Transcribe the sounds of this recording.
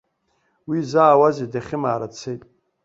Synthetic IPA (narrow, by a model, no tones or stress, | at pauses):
wizaːwazedaχʲɪmaːɾat͡sʰejtʼ